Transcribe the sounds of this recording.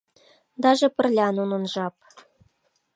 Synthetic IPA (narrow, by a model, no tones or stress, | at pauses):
d̪ɑʒĕpə̆rlʲɑnunɤ̆nʒɑp